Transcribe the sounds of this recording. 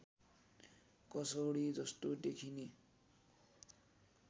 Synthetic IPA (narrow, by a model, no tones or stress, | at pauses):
kʌsoɽid͡zʌst̪od̪ekʰine